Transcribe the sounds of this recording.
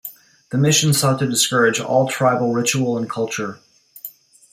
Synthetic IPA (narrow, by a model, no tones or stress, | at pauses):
ðɨmɪʃɨ̃n̩sɔtʰɨdɨskɜ˞ɨd͡ʒɔ̰lˠtʰɹ̥aɪbl̩ˠɹɪt͡ʃul̩ˠə̃nkʰʌlˠt͡ʃə˞